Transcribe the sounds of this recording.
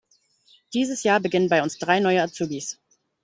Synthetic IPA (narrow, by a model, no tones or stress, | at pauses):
d̥iːzəsjaːɐbəɡɪnənbaɪʊnsd̥ʁaɪnɔʏəat͡suːbis